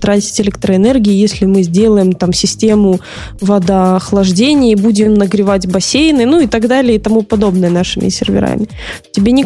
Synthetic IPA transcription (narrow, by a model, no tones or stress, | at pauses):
t̪ɾatʲɪ̥tʲɪlʲɛk̚t̪ɾəɪnɛrɡʲɪɪjesʲlʲɪmɨzʲdʲe̞lˠəjɪmt̪amsʲɪsʲtʲe̞mʊ | vɐd̪əɐxlˠɐʐdʲenʲɪjəbudʲɪmnəɡɾʲɪvatʲbɐsʲejnɨnuɪt̪ɐɡd̪alʲɪəit̪ɐmupɐd̪o̞bnɨjənaʂɨmʲʔɪ̰sʲɪ̰rvʲɪ̰ɾa̰mʲɪ | tʲɪbʲenʲɪ